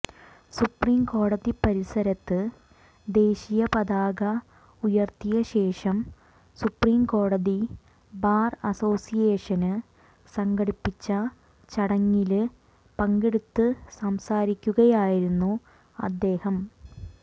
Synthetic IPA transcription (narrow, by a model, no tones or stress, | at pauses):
supriːmko̞ːɽɐðipɐɾisɐɾɐt̪ːɨ | d̪e̞ːɕijɐpɐðaːɡɐ | ujɐrt̪ijɐɕe̞ːʂɐm | supriːmko̞ːɽɐði | baːrɐso̞ːsijeːʂɐnɨ | sɐŋɡɐɽipːit͡ɕːɐ | t͡ɕɐɽɐŋːil | pɐŋɡeɽut̪ːɨsɐmsaːɾikʲːuɣɐjaːjiɾunːu | ɐ̰d̪ːe̞ːhɐm